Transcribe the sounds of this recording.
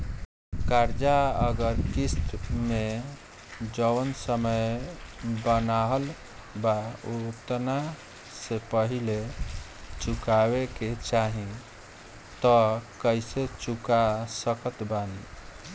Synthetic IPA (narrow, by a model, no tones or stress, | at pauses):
kaɾd͡ʒaəɡəɾkist̪me | d͡ʒəwənsəməj | bənaɦəl | baot̪na | sepəɦile | t͡ʃukaweket͡ʃaɦĩ | t̪ɔkəjset͡ʃukasəkət̪bani